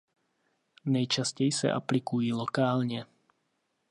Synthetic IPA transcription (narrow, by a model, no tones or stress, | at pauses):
nɛjt͡ʃascɛjsɛ̰ʔa̰plikujiːlɔkaːlɲɛ